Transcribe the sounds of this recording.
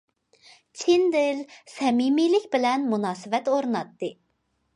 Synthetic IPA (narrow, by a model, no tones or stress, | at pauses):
t͡ʃʰind̪ɪlsɛmimilɪkʲbɪlɛnmunɑːsɨvɛt̪oɾnɑt̪ːɨ